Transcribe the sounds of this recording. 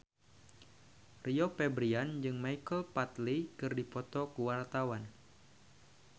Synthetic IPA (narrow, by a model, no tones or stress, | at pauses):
riɔpɛbɾiand͡ʒɨŋmaikəlpat̪likɨrdipɔt̪ɔkuwart̪awan